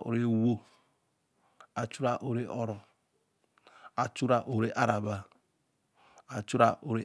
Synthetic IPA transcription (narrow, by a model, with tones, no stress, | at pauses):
o̰˨ɾe˦wo˦ | a˨t͡ʃu˦ɾa˦ʔo˨ɾe˦ʔo˦ɾɔ˨ | a˨t͡ʃu˦ɾa˦ʔo˨ɾe˦ʔa˦ɾa˨ba˨ | a˨t͡ʃu˦ɾa˦o˨ɾe˦